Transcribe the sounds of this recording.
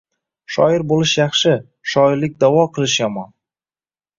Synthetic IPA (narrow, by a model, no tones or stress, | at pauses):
ʃɒɪɾbolˠɪʃjɑχʃɪ | ʃɒɪɾlɪk̚ʲd̪awɒqʰɨlˠɪʃjamɒn